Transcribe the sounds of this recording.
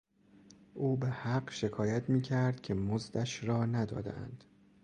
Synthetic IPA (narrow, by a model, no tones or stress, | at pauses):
ʔuːbehæɢʃe̞kʰɒːjæt̪ʰmiːcʰæɾd̪̥̚cʲʰe̞mozd̪æʃɾɒːnæd̪ɒ̰ːd̪æ̰nd̪̥